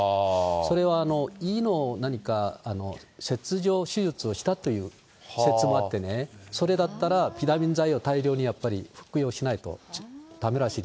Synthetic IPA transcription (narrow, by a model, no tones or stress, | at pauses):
so̞ɾe̞βaːno̞iːno̞ːnaɲ̟ikaːno̞̰se̞t͡sɨʑo̞ːɕɨʑɨt͡sɨo̞ɕi̥t̪at̪o̞jɯ̟ː | se̞t͡sɨmo̞at̪ːe̞ne̞so̞ɾe̞d̪at̪ːaɾapʲit̪amʲĩnd͡zaio̞t̪aiɾʲo̞ːɲ̟ijapːaɾʲḭɸɯ̟̥kɯ̟jo̞ːɕinait̪o̞̰d̪̥ame̞ɾaɕiːd̪